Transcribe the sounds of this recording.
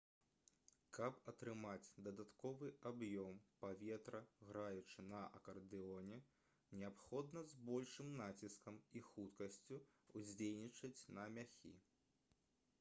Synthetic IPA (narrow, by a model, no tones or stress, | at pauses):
kɐpɐt̪ɾɨmat͡sʲd̪ɐd̪at̪kɔvɨʔabjɔmpavʲɛt̪ɾɐɣɾajut͡ʂɨnɐʔɐ̰kɐrd̪ɨɔnʲɛ | nʲɛapxɔd̪nɐzbɔlʲʂɨmnat͡sʲiskɐmixut̪kɐsʲt͡sʲuuzʲd͡zʲelʲnʲit͡ʂɐt͡sʲnɐmʲaxʲḭ